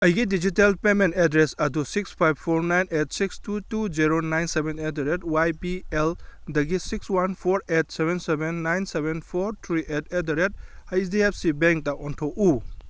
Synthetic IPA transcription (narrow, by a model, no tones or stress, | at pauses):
ɐjɡidid͡ʒitelpementedɾesɐdusikspʰajb̚pʰːoɾnajnet̚sikstutuziɾonajnsebenetɾetwajpieldɐɡisikswanpʰɔɾet̚sebʱensebenːajnsebenpʰoɾtʰɾiʔetedɾet̚hajsdiebsibeŋk̚taʔɔntʰɔʔu